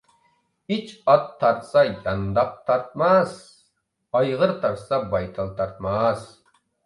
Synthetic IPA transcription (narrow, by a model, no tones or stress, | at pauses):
it͡ʃɑt̪ʰːɑɾt̪sɑjɑnd̪ɑq̚t̪ʰɑɾt̪̚mɑs | ɑjʁəɾt̪ʰɑɾsɑbɑjt̪ʰɑlˠt̪ʰɑɾt̪̚mɑs